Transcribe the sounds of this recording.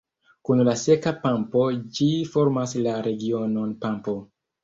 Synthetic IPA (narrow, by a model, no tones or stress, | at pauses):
kunlase̞kapampo̞d͡ʒifo̞ɾmaslaɾe̞ɡio̞no̞npampo̞